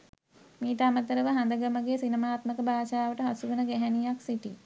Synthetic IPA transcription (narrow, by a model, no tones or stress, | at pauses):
miːt̪amət̪əɾəʋəɦand̪əɡəməɡesinəmaːt̪məkəbaːʃaːʋəʈəɦasuʋənəɡæɦænijaksiʈi